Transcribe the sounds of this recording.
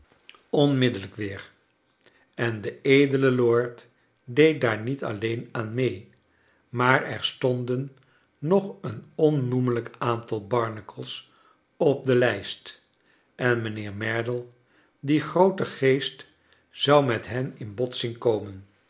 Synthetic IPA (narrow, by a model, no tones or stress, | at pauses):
ɔnmɪdələkʋɪːɹ | ɛndəejdələlʊːɹt | dejt̚daːɹnitɑ̰lejnaːnmej | maːɹɛ̰ɹstɔndənː | ɔχənɔnːumələkaːntɑlˠbɑɹnəkəlˠs | ɔb̚dəlɛjst | ʔɛnmənɪːɹmɛɹdəlˠ | diχrowtəχejst | z̥ɑwmɛtɦɛnɪnbɔtsinkowmən